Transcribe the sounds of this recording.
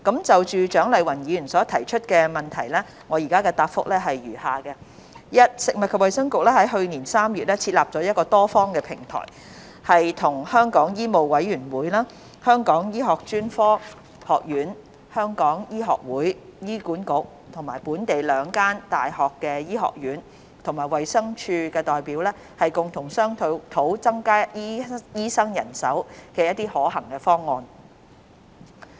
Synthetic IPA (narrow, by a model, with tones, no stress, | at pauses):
kɐ˨˥mt͡sɐ˨wt͡ʃyː˨t͡ʃœː˨˥ŋlɐ˨jwɐ˨˩njiː˨˧jy˨˩nsɔː˨˥t̪ʰɐ˨˩jt͡ʃʰɵ˥t̚kɛː˧mɐ˨˩nt̪ʰɐ˨˩jlɛ˥ | ŋɔː˨˧jiː˨˩kaː˥kɛ˧t̪aː˧pfʊ̰˥k̚lɛː˥ɦɐ˨jɥyː˨˩haː˨kɛ˧ | jɐ˥t̚sɪ˨k̚mɐ˨t̚kʰɐ˨p̚wɐ˨jsɐ˥ŋkʊ˨k̚lɛː˥ɦɐ˨˥jɦɵ˧ɥniː˨˩nsaː˥mjyː˨t̚lɛ˥t͡sʰi˧t̚laː˨p̚ɔː˨˥jɐ˥t̚kɔː˧t̪ɔː˥fɔː˥ŋkɛː˧pʰɪ˨˩ŋt̪ʰɔ̰ː˨˩j | hɐ˨jt̪ʰʊ˨˩ŋhœː˥ŋkɔː˨˥ŋjiː˥mo˨˧wwɐ˨˥jyː˨˩nwuː˨˥jlaː˥ | hœː˥ŋkɔː˨˥ŋjiː˥ɦɔː˨˩k̚t͡ʃyː˥nfɔː˥ | hɔː˨˩k̚jyː˨˥n | hœː˥ŋkɔː˨˥ŋjiː˥ɦɔː˨k̚wuː˨˥jjiː˥kuː˨˥nkʊ˨˥k̚ | t̪ʰʊ˨˩ŋmaː˨˩jpuː˨˥nt̪e˨jlœː˨˧ŋkaː˥nt̪aː˨jhɔː˨kːɛː˧jiː˥ɦɔ̰ː˨k̚jyː˨˥n | t̪ʰʊ˨˩ŋmaː˨˩jwɐ˨jsɐ˥ŋt͡ʃʰyː˧kɛː˧t̪ɔː˨jpiː˨˥wlɛː˥ | hɐ˨jkʊ˨ŋt̪ʰʊ˨˩ŋsœː˥ŋt̪ʰo˨˧˥t̪ʰo˨˥wt͡sɐ˥ŋkaː˥ji˥jiː˥sɐ˥ŋjɐ̰˨˩nsɐ̰˨˥wkɛː˧jɐ˥t̚t̪iː˥hɔː˨˥ɦɐ˨˩ŋkɛː˧fɔː˥ŋːɔː˧n